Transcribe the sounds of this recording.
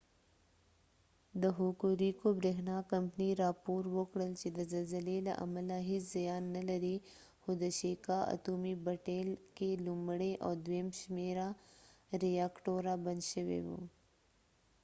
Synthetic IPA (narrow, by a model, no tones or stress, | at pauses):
d̪əɦukuɾikobɾeːɦnakɐmpniɾaːpoːɾwokɽəlt͡ʃed̪əzɐlzəlela̰ʔɐ̰məlaɦɪt͡ʃzɐjaːnːɐlɐɾi | xʊd̪əʃeːkaʔɐ̰t̪uːmibɐʈeːlkelumɽeʔɔːd̪weːmʃmeːɾa | ɾijaːkʈoːɾabɐnd̪ʃəwḛwo̰ː